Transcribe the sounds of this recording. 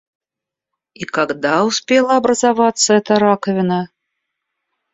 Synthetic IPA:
ikaɡd̪awsʲpʲɛlˠɐabɾɐzavat̪sːɐɛt̪ɐɾakɐvʲɪnɐ

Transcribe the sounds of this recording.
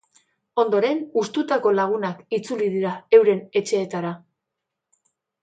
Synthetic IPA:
o̞nd̪o̞ɾe̞nust̪ut̪ako̞laɣ̞unakit͡sulið̞iɾae̞wɾe̞ne̞t͡ʃe̞ːt̪aɾa

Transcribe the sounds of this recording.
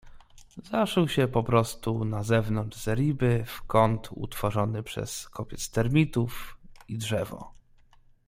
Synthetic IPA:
zaʂɛwɕɛpɔpɾɔst̪unazɛvnɔnd͡ʐz̥ɛɾʲibɘfkɔnt̪ʰṵt̪fɔʐɔnɘpʂɛ̰skʰɔpʲjɛt̪st̪ɛɾmʲit̪ufidʐɛvɔ̰

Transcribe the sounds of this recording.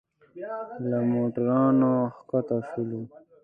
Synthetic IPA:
lamoʈaɾɑːnoxkat̪aʂulu

